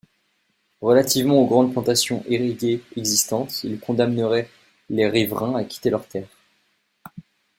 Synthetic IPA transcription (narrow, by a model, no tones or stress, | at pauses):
ʁəlat̪ivmɑ̃oɡʁɑ̃d̪̚plɑ̃t̪asjɔ̃ʔeʁid̪eɛɡzist̪ɑ̃t̪ilkɔ̃d̪amnəʁɛ | leʁivʁɛ̃akʲʰi̥t̪elœʁt̪ɛːʁ